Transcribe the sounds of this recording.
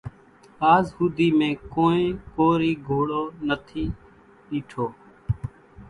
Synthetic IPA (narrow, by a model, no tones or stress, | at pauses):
aːzhuːd̪iːmẽːkoːẽːkoːɾiːɡʱoːɽoːnət̪ʰiː | ɗiːʈʰoː